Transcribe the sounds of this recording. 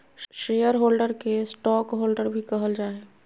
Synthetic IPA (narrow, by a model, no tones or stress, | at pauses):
ʃeːjəɾɦoːlɖəɾkesʈɔːkɦoːlɖəɾbʱikəɦəld͡ʒaːeː